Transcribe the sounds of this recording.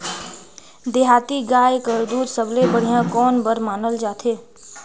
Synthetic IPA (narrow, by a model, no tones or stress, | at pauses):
d̪eːɦaːt̪iɡaːjkəɾd̪uːɾsəblebəɽ̤ijãkɔːnbəɾmaːnəld͡ʒaːt̪ʰeː